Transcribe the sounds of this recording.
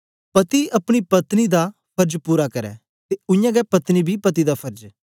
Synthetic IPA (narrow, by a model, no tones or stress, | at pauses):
pɐt̪iɐpɽ̃ipɐt̪nid̪apʰɐɾd͡ʒpuːɾakɐɾɛ̰ | t̪eʊ̃jãːɡɛpɐt̪nibʱipɐt̪id̪apʰɐɾd͡ʒ